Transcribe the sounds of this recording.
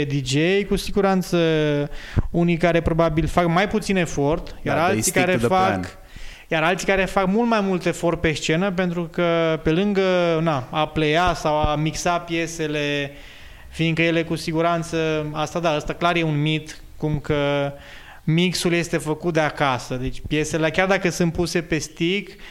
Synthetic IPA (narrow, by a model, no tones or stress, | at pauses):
d̪id͡ʒejkusiɡuɾant̪sə | unijkaɾe̞pɾo̞babilfakmajput̪sine̞fo̞rt̪jaɾalsikaɾefak | jaɾalt̪sikaɾe̞fakmult̪majmult̪e̞fo̞rt̪̚pe̞st͡ʃe̞nəp̬e̞nt̪ɾukəpe̞lɨŋɡənaaplejasawamiksapje̞se̞le̞ | fiːŋkəje̞le̞kusiɡuɾant̪səast̪ad̪aəst̪aklaɾje̞unmit̪ | kumkə | miksulje̞st̪e̞fəkut̪̚d̪eakasəd̪e̞t͡ʃʲpje̞se̞leakʲjard̪akəsɨnt̪̚puse̞pe̞st̪ik